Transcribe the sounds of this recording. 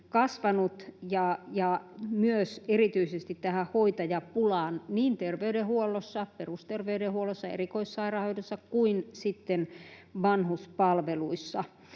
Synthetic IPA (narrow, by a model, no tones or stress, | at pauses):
kɑsʋɑnut̪jɑjɑmyøserit̪yisest̪it̪tæhæhoit̪ɑjɑpulɑːnniːnt̪erʋeydehuolːˑosːɑperust̪erʋeydehuolːˑosːɑḛrikoissɑirɑhoidesːɑkkuinsit̪ːenʋɑnhuspɑlʋeluisːɑ